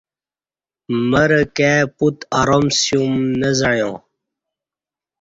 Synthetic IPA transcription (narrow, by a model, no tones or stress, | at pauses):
məɾəkeːput̪aɾomsjumnɐzɐɻjõː